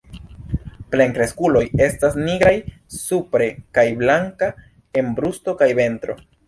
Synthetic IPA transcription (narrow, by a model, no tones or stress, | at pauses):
ple̞ŋkɾe̞skulo̞je̞stasniɡɾaj | supɾe̞kajblaŋka | e̞mbɾusto̞kajbe̞ntɾo̞̰